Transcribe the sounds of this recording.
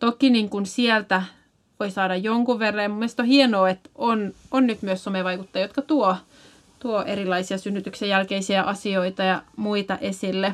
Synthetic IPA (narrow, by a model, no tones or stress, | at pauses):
t̪okiniŋkunsiɛlt̪æ | ʋoisɑːdɑjjoŋkuʋʋerːɑjmumːest̪ohienoːet̪ʔononnyt̪myøssomeʋɑikut̪ːɑjɑjot̪kɑt̪uo | t̪uoʔeɾilˑɑisiɑsynːyt̪yksejjælkeisiæʔɑsioit̪ɑjɑmuit̪ɑʔesilːe